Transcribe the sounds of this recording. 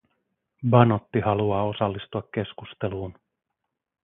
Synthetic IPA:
bɑnot̪ːihɑluɑːo̞sɑlːist̪uɑkːe̞skust̪e̞luːn

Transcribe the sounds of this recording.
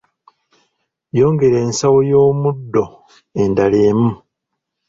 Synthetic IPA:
jo̞ːŋɡe̞ɾe̞ːnsawojo̞ːmudːo̞ | e̞ndaleːmu

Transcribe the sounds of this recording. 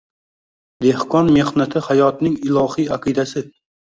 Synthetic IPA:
d̪e̞hqɒnme̞hnat̪ʰɪhajɒt̪nɪŋɪlˠɒhijaqʰɨd̪asɪ

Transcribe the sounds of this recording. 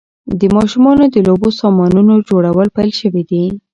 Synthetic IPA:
d̪əmɑʃumɑnod̪əlobosɑmɑnnunod͡ʒoɽawəlpajlʃəwid̪i

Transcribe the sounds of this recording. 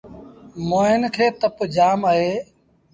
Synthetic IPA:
moːɦɪnkʰeːt̪əpd͡ʒaːmaːɦeː

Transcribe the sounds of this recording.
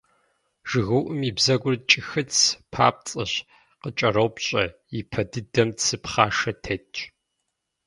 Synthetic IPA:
ʒ̥ɨɣɐwʔɨmibzɐɡʷʊrt͡ʃʼɪxɨt͡sʰpʰa̰ːp̚t͡sʼɐɕ | qət͡ʃʼɐɾɐwpɕʼɐjipʰɐdɨdɐmtsɨpχaːʂɐtʰɐt͡ʃʼ

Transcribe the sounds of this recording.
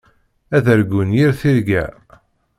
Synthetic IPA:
æðəɾɡʊnjiɾθiɾɡæ̰

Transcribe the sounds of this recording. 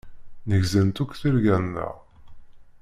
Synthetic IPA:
nəʝzənt̪ukʷθiɾɡænːə̰ʁ

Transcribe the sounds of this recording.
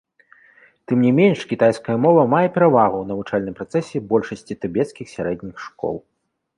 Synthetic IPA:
t̪ɨmnʲimʲenʂkʲit̪ajskɐjɐmɔvɐmajɛpʲɛɾavaɣuwnɐvut͡ʂalʲnɨmpɾat̪sɛsʲɛbɔlʲʂɐsʲt͡sʲit̪ɨbʲɛt̪skʲixsʲaɾɛd̪ʲnʲixʂkɔ̰lˠ

